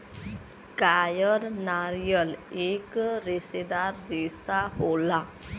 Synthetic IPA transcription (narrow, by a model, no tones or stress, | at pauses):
kajəɾnaɾijəlekɾesed̪aɾːesaɦola